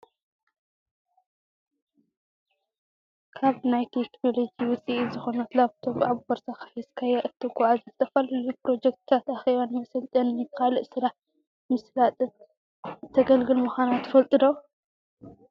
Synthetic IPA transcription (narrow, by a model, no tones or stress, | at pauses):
kʰaβnajt̪ʰekno̞lo̞d͡ʒiwʊt͡sʼizɨxo̞nɐt̪laβt̪ʰoβʔʕabubɐɾsaxḁfɐskʰajaʔɨt̪ʰːɨɡɔʕazɐzɨt̪ʰɐfɐlɐlupɾo̞d͡ʒek̚t̪̚ʰt̪ʰat̪ʔaxeβanmɐsɐlt̪ʼɐnnɨkʰalɨʔsɨɾaħ | mɨslat̪ʼɨn | t̪ʰɐɡɐlɡɨlmɨxʷanat̪ʰːɨ̥fɐlt̪ʼɨd̪o